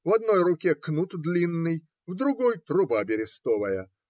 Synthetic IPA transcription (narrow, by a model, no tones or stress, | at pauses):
vɐd̪nojrʊkʲeknut̪d̪lʲinːɨj | vd̪ɾʊɡɔjt̪ɾʊbabʲɪɾʲɪst̪ɔvɐjə